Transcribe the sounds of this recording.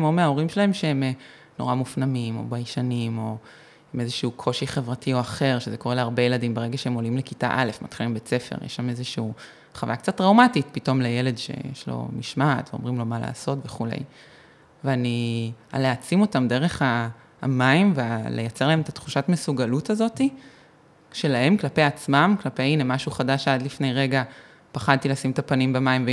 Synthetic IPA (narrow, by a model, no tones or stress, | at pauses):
momeao̞ʁimʃelae̞mʃeem | no̞̰ʁamufnamimo̞̰bajʃanimo | imezeʃuukʰo̞ʃiχevʁatʰio̞aχe̞ʁʃezekoe̞leaʁbejeladimbeʁe̞ɡaʃeemo̞limlekita̰ʔalefmatχilimbet͡sefe̞̰ʁjḛʃamezeʃuu | χavajak̚t͡satʁawmatitpito̞mlejele̞dʃe̞̰jeʃlo̰miʃmatveomʁimlo̞mala̰ːso̞tveχulḛj | veania̰leat͡simo̞tamde̞ʁe̞χa̰ː | maimvealejat͡se̞ʁlahemet̪at̪χuʃatmesuɡalutazo̞ti | ʃe̞lahe̞mklape̞jat͡smamklape̞jinemaʃuχadaʃadlifne̞jʁe̞ɡa | paχad̚t̪ilasimetapanimbamaimve